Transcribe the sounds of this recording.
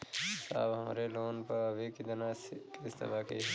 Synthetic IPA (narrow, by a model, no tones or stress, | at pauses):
sa̰ːbɦɐma̰ɾeloːnpɐɐbikid̪ɐnaːskest̪ɐ̰baːkḛ